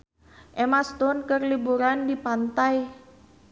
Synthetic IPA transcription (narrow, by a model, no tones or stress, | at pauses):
ʔemast̪ʊnkərlibuɾandipant̪aj